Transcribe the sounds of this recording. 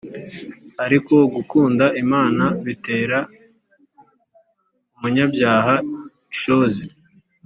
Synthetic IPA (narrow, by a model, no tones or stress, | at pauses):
aɾiko̞ɡukuːndaʔimaːnaβite̞ːɾa | umuɲabɟaːɦa | ʃozi